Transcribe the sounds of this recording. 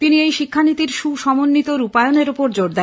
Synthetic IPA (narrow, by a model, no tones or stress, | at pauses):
t̪iniejʃikʰːanit̪iɾʃuʃɔmonːit̪oɾupaeoneɾopoɾd͡ʑoɾd̪ɛ